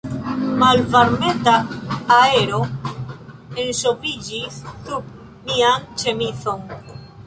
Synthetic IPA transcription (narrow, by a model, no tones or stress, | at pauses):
malvaɾmet̪aː | eɾo | ensopid͡ʒissup̚ | miant͡ʃemiθoŋ